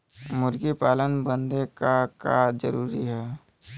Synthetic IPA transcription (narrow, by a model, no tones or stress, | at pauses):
mʊɾɡipaːlənbə̃nd̪ekakad͡ʒə̰ɾuːɾiɦɛː